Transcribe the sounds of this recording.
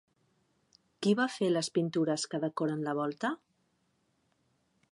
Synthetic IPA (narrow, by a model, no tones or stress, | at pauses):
kiβafeləspint̪uɾəskəðəkɔɾənləβ̞ɔlˠt̪ə